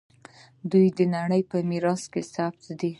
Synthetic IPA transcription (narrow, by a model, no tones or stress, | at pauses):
d̪ujd̪ənaɽəjpəmiɾɑskesaft̪d̪i